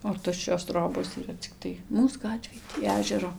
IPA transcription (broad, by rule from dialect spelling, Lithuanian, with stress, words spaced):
oː ˈtʊʃʲt͡ʃʲoːs ˈtroːboːs iːˈrɐ t͡sʲɪkˈtɐɪ ˈmuːs ˈɡɑːtʲʋʲeːj tʲiː ˈæːʒʲɛroː